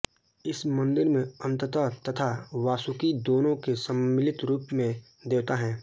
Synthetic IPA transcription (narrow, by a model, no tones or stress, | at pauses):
ɪsmɐ̃nd̪ɪɾmẽə̃nt̪ət̪at̪ɐt̪ʰaʋaːsʊkid̪oːnõkesəmːɪlɪt̪ɾuːpmẽ | d̪eːt̪aɦɛ̃ː